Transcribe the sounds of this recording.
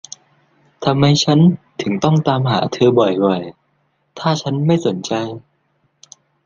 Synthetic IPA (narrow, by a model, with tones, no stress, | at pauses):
t̪ʰa˧mha˧jt͡ɕʰa˦˥nt̪ʰɯ˨˩˦ŋt̪ɔ˥˩ŋt̪aː˧mɦaː˩˦t̪ʰɤː˧bɔ˨˩jwɔ˨˩j | t̪ʰaː˥˩t͡ɕʰa˦˥nma˥˩jso˩˦nt͡ɕa˧j